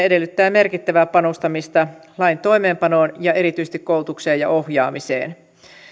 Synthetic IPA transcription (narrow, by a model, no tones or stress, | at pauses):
ede̞lːyt̪ːæːme̞rkit̪ːæʋæːpɑnost̪ɑmist̪ɑlɑjnt̪o̞jme̞ːmpɑno̞ːnjɑe̞ɾit̪yis̆t̪ikoult̪ukse̞ːjɑ̰ʔo̞hjɑːmisḛːn